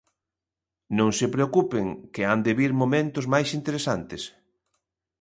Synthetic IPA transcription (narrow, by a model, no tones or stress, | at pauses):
nõŋsepɾeokupeŋkɪand̪eβiɾmomẽnt̪ʊzmajsint̪eɾesant̪ɪs